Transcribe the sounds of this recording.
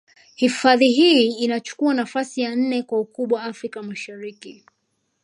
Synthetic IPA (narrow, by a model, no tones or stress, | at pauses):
hifaðiɦiinat͡ʃu̥kuanafasijan̩nɛkwaukuɓwaːfɾikamaʃaɾiki